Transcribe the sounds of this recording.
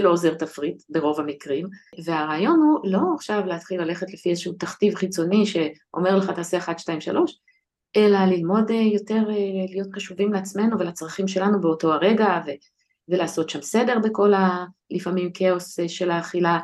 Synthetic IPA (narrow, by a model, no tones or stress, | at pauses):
eloːze̞ʁtafʁitbe̞ʁo̞vamikʁimve̞aʁaːjo̞nhulo̞aχʃavleat̪χilːale̞χetlefiezeʃuutaχtivχit͡so̞niʃe̞ʔo̞̰me̞ʁleχataːse̞aχadʃtaimʃa̰lʔo̞ʃ | ʔe̞lalilmo̞dejo̞te̞ʁelijo̞tχaʃuvimleat͡sme̞nuvelat͡sʁaχimʃe̞lanubeoto̞aʁe̞ɡave | velaːso̞tʃamse̞de̞ʁbe̞ko̞lalifamimkeo̞sʃe̞laːχila